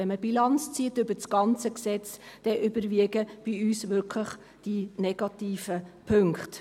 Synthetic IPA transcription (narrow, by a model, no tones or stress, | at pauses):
ɛnməbilɑnt͡st͡siətʏbət͡sɡ̥ɑnt͡səksɛt͡sd̥ɛʔʏbəɾʋiəɡəb̥ɪyːsʋʏɾkʰləχ | d̥inɛɡ̥ɑtiːfəpʰɵŋkχt